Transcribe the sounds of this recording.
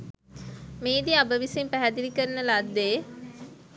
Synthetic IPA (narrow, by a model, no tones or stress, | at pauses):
meːd̪iabəʋisimpæɦæd̪iʋikəɾənəlad̪ːe